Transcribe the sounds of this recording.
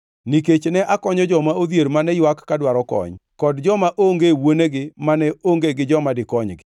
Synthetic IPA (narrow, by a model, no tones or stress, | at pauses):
niket͡ʃnɛʔakɔɲɔd͡ʒɔmaod̪jeɾmanɛjwakːadwaɾɔkɔ̰ɲkɔdd͡ʒɔmaʔoŋɡewoneɡɪmanɛoŋɡeɡɪd͡ʒɔmadɪkɔɲɡɪ